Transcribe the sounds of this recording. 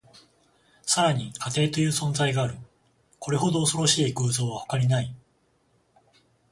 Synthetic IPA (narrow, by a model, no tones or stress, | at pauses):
saɾaɲ̟ikat̪e̞ːt̪o̞jɯ̟ːsõ̞nd͡zaiɡaːɾɯ̟ | ko̞ɾe̞ɦo̞d̪o̞ːso̞ɾo̞ɕiːɡɯːzo̞ːβahokaɾʲinai